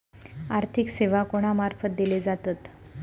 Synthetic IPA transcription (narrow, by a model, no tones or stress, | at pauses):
aɾt̪ʰikseʋakoɽ̃amaɾfət̪̚d̪iled͡zat̪at̪